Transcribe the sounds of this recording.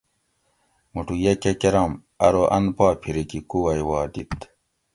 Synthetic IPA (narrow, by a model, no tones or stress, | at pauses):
muʈujɐkekeɾɐm | ɐɾoʔɐ̰npaːpʰiɾikikuɐjwaːd̪it̪